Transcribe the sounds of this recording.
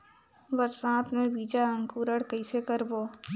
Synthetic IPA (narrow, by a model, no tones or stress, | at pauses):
ʋəɾsãːt̪nẽbiːd͡ʒaə̃ŋkuːɾəɽkɐisekəɾboː